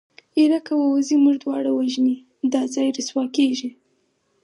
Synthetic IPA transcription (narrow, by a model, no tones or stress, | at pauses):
iɾakawawzimuʒd̪wɑɽawaʒni | d̪ɑzɑjɾəswɑkeʒi